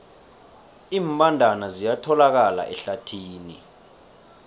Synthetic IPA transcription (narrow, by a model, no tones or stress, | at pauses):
iːmpʼandʱanazijatʰɔlak̬ala̰ʔɛɬatʰiːnḭ